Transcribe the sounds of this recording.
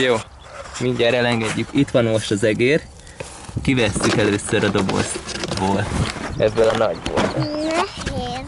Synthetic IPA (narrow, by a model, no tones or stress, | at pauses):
joː | miɲɟaɾɛlɛŋɡɛɟːykit̪ʋɒnmo̞ʃt̪ɒzɛɡeːr | kivɛsːykɛløːsøɾɒd̪o̞bo̰zboːlt̪ɛbːølɒnɒɟbo̰lt̪